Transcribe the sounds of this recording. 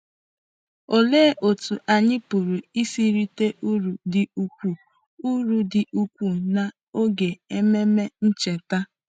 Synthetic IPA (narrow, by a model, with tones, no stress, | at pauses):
o˨le˦ʔo˨tu˨ʔa˨ɲɪ˦pu˨ɾu˨i˦si˦ɾi˦te˦ʔu˦ɾu˨dɪ˨u˨kʷu˦˨ | u˦ɾu˨dɪ˨ʔu˦kʷu˦˨na˨ | o˦ɡe˨e˦me˦me˦n̩˦t͡ʃe˨ta˦